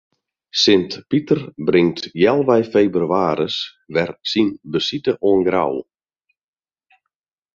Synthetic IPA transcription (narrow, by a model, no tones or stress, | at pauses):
sɪntpitərbrɪŋtjɛlˠʋɛjfejbryaːɾəs | ʋɛrsinbəsitəʔoənɡra̰w